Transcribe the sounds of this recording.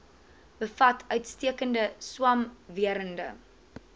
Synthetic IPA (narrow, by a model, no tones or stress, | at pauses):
bəfɐtʰœɥtstiəkəndəswɐmviəɾəndə̰